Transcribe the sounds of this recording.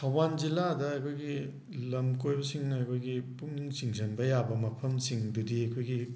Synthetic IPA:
tʰɐwanzilːadɐɐjkʰojɡi | lɐmkojbɐsiŋnɐjkʰojɡipuŋniŋsiŋsʰɐnbɐjabɐmɐpʰɐmsiŋdudiɐjkʰojɡi

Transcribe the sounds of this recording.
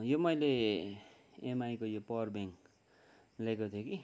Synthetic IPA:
jomʌjle | emajkojopʌrbeŋk | lekot̪ʰjoki

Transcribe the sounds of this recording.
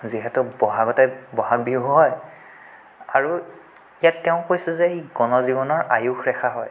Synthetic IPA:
ziɦɛtʊbɔɦaɡɔtɛbɔɦak̚biɦʊɦɔj | aɹu | ijatːɛʊ̃kojsɛzɛɡɔnɔzibɔnɔɹʔajuxɹɛxʰaɦɔj

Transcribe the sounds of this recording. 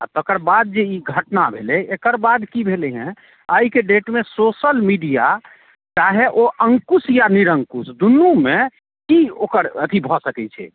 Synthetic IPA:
a̰t̪okəɾbad̪̚d͡ʒeiɡʱəʈnabʱḛlɛekəɾbad̪kibʱelɛɦɛ̃ | aikeɖeʈmesosəlmiɖija | t͡ʃaɦeʔoʔəŋkusjaniɾəŋkusd̪unːume | kiokəɾət̪ʰibʱɔsəkɛt͡ʃʰɛ̰

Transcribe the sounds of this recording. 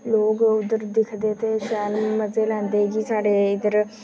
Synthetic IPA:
loːɡud̪əɾd̪ikʰd̪et̪eɕaːlməd͡zeland̪eɡiːsaɽeid̪əɾ

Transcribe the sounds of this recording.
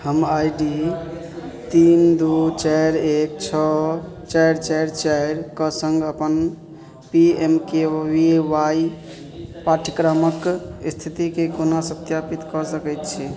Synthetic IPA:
həmajɖi | t̪ind̪ut͡ʃaɾek̚t͡ʃʰɔ | t͡ʃajɾt͡ʃajɾt͡ʃajɾkəsəŋɡəpən | piemkewiwaj | paʈʰikɾaməkst̪ʰit̪ikekonasət̪japit̪kɔsəkɛt̪t͡ʃʰi

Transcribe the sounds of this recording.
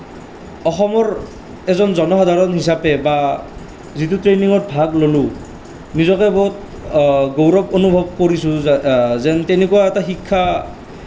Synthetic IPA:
ɔxɔmɔɹ | ɛzɔnzɔnɔxad̪ʱaɹɔnɦisapɛba | zit̬utɹeniŋɔɹ̚bʱaklolʊ | nizɔkɛbɔɦut̚ | ɡowɹɔbonubʱɔb̚koɹisʊ̃zɛntɛnekuwaɛtaxikʰːa

